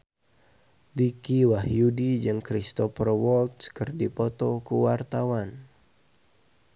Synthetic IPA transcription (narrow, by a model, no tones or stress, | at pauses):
likiwahjudid͡ʒɨŋkɾist̪ɔfərwɔlt̪̚skɨrdipɔt̪ɔkuwart̪awan